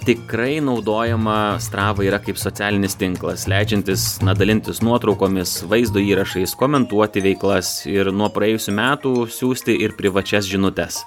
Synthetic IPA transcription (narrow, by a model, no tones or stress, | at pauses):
t̪ʲɪkɾɐɪnɒʊd̪oːjɛmɐst̪ɾɑːʋɐiːɾɐkɐɪpsoːt̪sʲæːlʲɪnʲɪst̪ʲɪŋklˠɐslʲæɪd͡ʒʲɛnʲt̪ʲɪsnɐd̪ɐlʲɪnʲt̪ʲɪsnuɔt̪ɾɒʊkoːmʲɪsʋɐɪzd̪oːiːɾɐʃɐɪskoːmʲɛnt̪uɔt̪ʲɪʋʲɛɪklˠɐsɪɾnuɔpɾɐjeːjʊsʲuːmʲæːt̪uːsʲuːsʲt̪ʲɪʔɪɾpʲɾʲɪʋɐt͡ʃʲɛsʒʲɪnʊt̪ʲɛs